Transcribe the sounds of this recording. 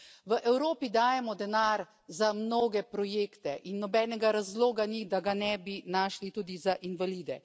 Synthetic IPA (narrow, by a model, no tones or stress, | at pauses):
ʋəʔɛwɾoːpid̪aːjɛmɔd̪ɛnaɾ | zamnoːɡɛpɾɔjeːkt̪ɛʔinːɔbɛːnɛɡaɾazloːɡanid̪aɡanɛbinaːʃlit̪uːd̪izaʔinʋaliːd̪ɛ